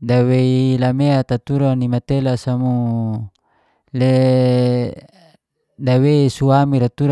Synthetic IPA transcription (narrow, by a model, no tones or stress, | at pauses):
daweilameat̪at̪uɾanimat̪elasamu | le | daweisuamiɾat̪uɾ